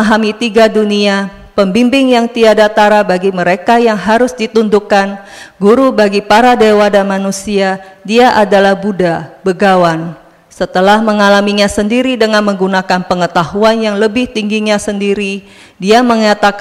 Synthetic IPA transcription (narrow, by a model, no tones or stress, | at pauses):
aɦamit̪iɡadunia | pəmbimbɪŋjaŋt̪iadat̪aɾabaɡiməɾekajaŋɦaɾʊsdit̪und̪ukan | ɡuɾubaɡipaɾadewadanmanusiadiaʔadalahbudabəɡawan | sət̪əlahməŋalamiɲasəndiɾidəŋanməŋɡunakanpəŋət̪aɦuanjaŋləbɪht̪iŋɡiɲasəndiɾi | diaməŋat̪ak